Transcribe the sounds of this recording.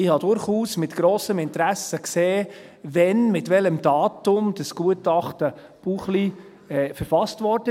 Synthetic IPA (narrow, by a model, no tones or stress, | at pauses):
ɪhɑdʊɾχuːsmɪt̪ɡ̥ɾoːsəmɪnt̪ɾæsəkseː | vɛnmɪtʋɛləmdɑːtʊmd̥əsɡ̥uətɑχtə | b̥uχli | ɛfəɾfɑstʋɔɾdə